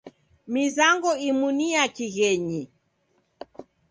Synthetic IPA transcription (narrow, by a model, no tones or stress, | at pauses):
mizaŋɡɔimuniakiɣɛɲi